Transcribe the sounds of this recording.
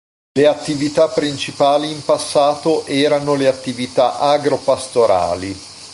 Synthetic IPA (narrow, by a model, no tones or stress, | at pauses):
leat̪ːivit̪apːɾint͡ʃipaːliːmpasːaːt̪oʔɛːɾanoleat̪ːivit̪aʔaɡɾopast̪oɾa̰ːli